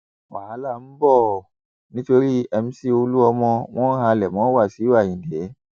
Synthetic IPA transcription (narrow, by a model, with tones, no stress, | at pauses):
wa˨a˨˦la˦˨m̩˦bɔ˦˨ | nĩ˦to˧ɾi˦ɛ˧m̩˦si˦o˧lu˦ɔ˧mɔ̃˧w̃ɔ̃˦ɦã˧lɛ˨mɔ̃˨˦wa˦˨si˨˦a˦˨ĩ˨de˨˦